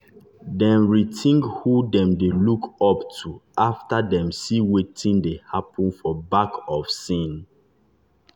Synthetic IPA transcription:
dɛ̃nɹitʰĩŋɡhudɛ̃mdelukɔptʰuaftadɛ̃msiwetĩndehapə̃nfɔbakʰɔfsĩn

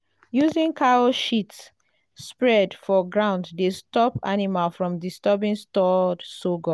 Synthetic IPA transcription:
juzĩnkʰaoʃitː | pɹɛdfɔɡɹãʊ̃nddestɔpa̰nimalfɹɔ̃mdistɛbĩnstɔdsoɡɔ

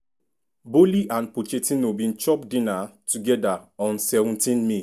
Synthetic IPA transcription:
boliʔãnpot͡ʃetĩnobĩnt͡ʃɔp̚dĩnatuɡɛdaɔ̃nsɛvũntĩnmi

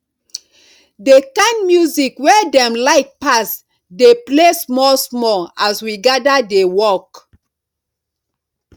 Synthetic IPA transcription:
dekãɪnmjuzikwɛdɛ̃mlaɪk̚pas | deplesmɔlsmɔaswiɡadadewɔk

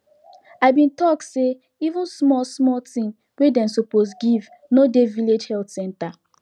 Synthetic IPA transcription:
aɪbĩntɔk̚tse | ivũnsmɔsmɔtĩn | wedɛ̃msoposɡiv | nodeviled͡ʒhɛltsɛ̃nta

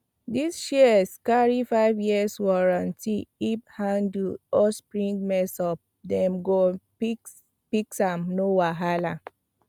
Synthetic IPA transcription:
disʃiəskaɹifaɪvjiəswɔɹãntiːphãndlɔspɹĩŋɡmɛsɔp̚ | dɛ̃mɡo | i | piksãmnowaɦala

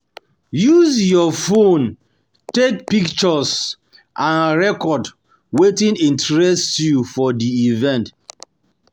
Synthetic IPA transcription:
juzjɔfõn | tek̚pikt͡ʃɔs | ʔãnɹɛkɔd | wetĩnĩntɹɛstjufɔdiivɛ̃nt

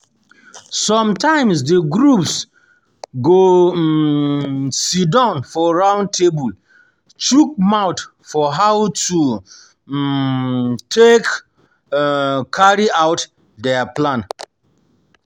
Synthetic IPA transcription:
sɔ̃mtãɪ̃msdəɡɹups | ɡo | sidãʊ̃nfɔɹãʊ̃nd̚tʰebul | t͡ʃuk̚maʊt | fɔɦawtu | tʰek | kʰaɹiaʊt | dɛaplãn

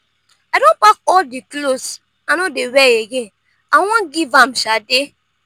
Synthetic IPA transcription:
adõnpakɔldiklos | anodewɛjeɡen | aw̃ɔ̃nɡivãm̩ʃade

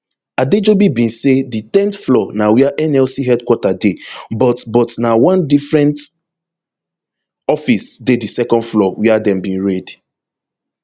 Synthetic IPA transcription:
aded͡ʒobibĩnseditɛ̃ntflɔnawiaʔɛnɛlsiɦɛdkwɔtadebɔtbɔtnawãndifɹɛ̃nt | ɔfisdedisɛkɔ̃ndflɔwiadɛ̃mbĩnɹɛd

